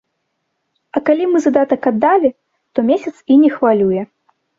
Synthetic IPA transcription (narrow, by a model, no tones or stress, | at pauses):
ɐkalʲimɨzad̪at̪ɐkad̪ːalʲi | t̪ɔmʲesʲɐt̪sinʲɛxvalʲujɛ